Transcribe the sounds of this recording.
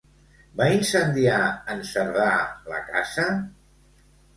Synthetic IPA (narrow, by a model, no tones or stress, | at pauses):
bainsənd̪iaənsəɾðalə̰kazə